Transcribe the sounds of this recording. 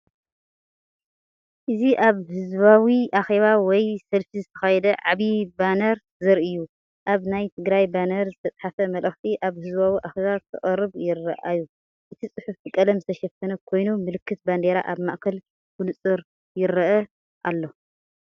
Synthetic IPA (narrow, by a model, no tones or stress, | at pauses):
ʔɨziʔaβhɨzbawiʔaxe̞βawɔjsɐlfizɨt̪ʰɐxajɛd̪ɐʕaβibanɐɾ | zɨɾɨjːu | ʔaβnajt̪ʰɨɡɾajbanɐɾzɨt̪ʰɐt͡s̪ʼħafɐmɐlʔɐxt̪ʰiʔaβhɨzbawiʔaxeβazt̪ʰɨ̰χʼɐɾɨβjɪɾːɐʔaju | ʔɨt̪ʰisʼɨħufʰɨkʼɐlɐmzɨt̪ʰɐʃɐfːɐnɐkʰo̞jnumɨlɨkʰːɨt̪̚band̪eɾa̰ʔaβmaʔʼkʰɐl | kunɨt͡sʼɨɾ | jɪɾːɐʔɐ | ʔalːo̞